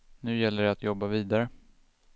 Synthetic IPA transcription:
nʉ̟ːjɛlːəɖɛat̪jɔbːaviːd̪aɾə

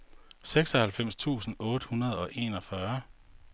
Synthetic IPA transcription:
seɡ̥sɒ̽hælfem̰st͡sʰṵːsn̩ɔ̽ːd̥əhunɐð̞ˠɒ̽ʔe̝ːnɒ̽fɶɐ

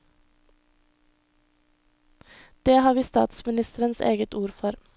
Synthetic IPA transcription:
d̪̥eːhɑːʋiːst̪ɑ̰ːt̪smɪnɪst̪əɾənsḛːɡət̪uːɾfɔɾ

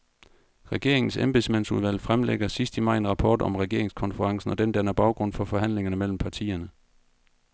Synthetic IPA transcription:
ʁɛɡ̥e̝ɐeŋn̩semb̥esmæn̰suð̞ˠʋæl̰fʁamleɡ̥ɐsisd̥əmɑ̈ɪe̝nʁɑ̈pʰɒ̰ːd̥ɒ̽mʁɛɡ̥e̝ɐe̝ŋskʰɒ̽nfəʁɑ̈ŋsn̩ɒ̽d̥end̥ænɐb̥ɑ̈ʊɡ̥ʁɔ̽n̰fɒ̽fɒ̽ɦæn̰le̝ŋɐnəmel̰m̩pʰɑ̈t͡sʰḭːɐnə

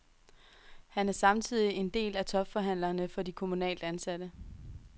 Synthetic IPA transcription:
hænæɐsɑ̈mt͡sʰið̰ˠie̝nd̥e̝̰ːlæt͡sʰɒ̽b̥fɒ̽ɦæn̰lɐnəfɒ̽dikʰo̝munɛ̰ːld̥əænsæd̥ə

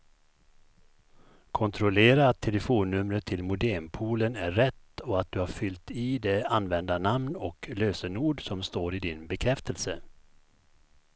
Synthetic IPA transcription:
kʰɔnt̪ʰɾɔleːɾaːt̪ʰːɛləfoːnːɵmɾət̪ʰɪlmʊd̪ɛmpʰuːlənæɾɛt̪ːɔat̪̚d̪ɵhaɾfʏlt̪id̪ɛanːvɛnd̪anamnɔkløːsəɳuːɖsɔmst̪oːɾɪd̪ɪnbɛkʰɾɛft̪əlsə

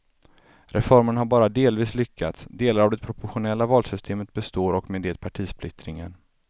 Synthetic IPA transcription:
ɾʔɛfɔɾməɳhaɾbɑːɾad̪eːlviːslʏkʰːat̪sd̪eːlaɾavd̪ɛpʰɾʊpʊɾɧʊnɛlːavɑːlsʏst̪ʰeːmət̪̚bɛst̪oːɾɔkmeːd̪eːt̪pʰaʈʰiːspʰlɪt̪ɾɪŋə̰n

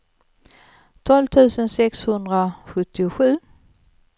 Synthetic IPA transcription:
t̪ʰɔlvt̪ʰʉ̟ːsənsɛkshɵnd̪ɾaɧɵt̪ːɪʊɧʉ̟ː

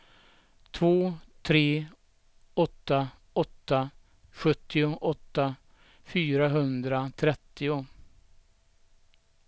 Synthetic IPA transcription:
t̪ʰvoːt̪ʰɾeː | ɔt̪ːa | ɔt̪ːa | ɧɵt̪ːɪʊʔɔt̪ːa | fyːɾaɦɵnd̪ɾat̪ʰɾɛt̪ːɪʊ

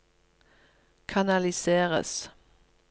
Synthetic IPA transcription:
kʰɑnɑlɪseːʁə̰s

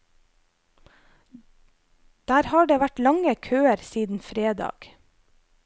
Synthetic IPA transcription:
d̪̥æːɾhɑːɖeːʋæʈlɑŋəkʰøːəɾsiːd̪n̩fɾeːd̪ɑ̰ːɡ̥

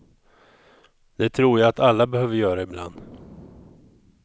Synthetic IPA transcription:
d̪ɛt̪ʰɾuːɾjaat̪alːabɛhøːvəɾjœːɾaɪbla̰nd̪

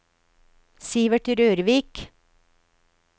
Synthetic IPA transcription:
siːʋəʈɾøːɾʋiːk

